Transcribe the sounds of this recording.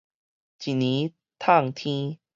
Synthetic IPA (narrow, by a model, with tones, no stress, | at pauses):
t͡ɕi˨nĩ˨˦ | t̪ʰa˥˨ŋt̪ʰĩ˦